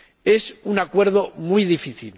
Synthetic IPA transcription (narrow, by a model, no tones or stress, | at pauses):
e̞sunakwe̞ɾðomujðifiθil